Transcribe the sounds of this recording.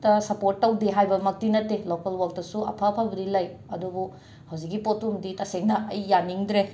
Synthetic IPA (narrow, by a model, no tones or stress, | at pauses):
tɐsɐpoɾtːɐwdeɦajbɐmɐk̚tinɐtːelokɐlwak̚tɐsuɐ̰pʰɐpʰabɐdilɐjɐdubu | hɐwzik̬̚ːipotumditɐseŋnɐʔɐjːaniŋdɾe